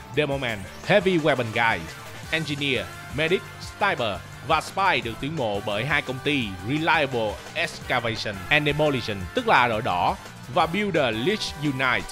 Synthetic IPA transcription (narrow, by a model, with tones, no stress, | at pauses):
ɗɛ˧mo˧mɛ˧n | hɛ˦˥vi˧ɣwɛ˧ɓə˨˩nɣaː˧jz | ʔɛ˧nzi˧ni˧ə | mɛ˧ɗi˦˥k̚st̪aː˧jɓəː˨˩ | vaː˨˩spaː˧jɗɨ˨˩ək̚t̪i˨˦ŋmo̰˧˨ɓəː˧˩jɦaː˧jkə˧wŋ͡mt̪i˧ɹi˨˧laː˧jə˧ɓə˧˩lʔɛ˦ska˧ve˧sə˧˩nʔɛ˨˩nɗe˧mo˧li˧sə˨˩nt̪ɨ˦˥k̚laː˨˩ɗo̰ː˧˩jɗɔ˧˦ | vaː˨˩ɓi˧wɗəː˨˩li˦˥t͡ɕju˧na˧˩jt̚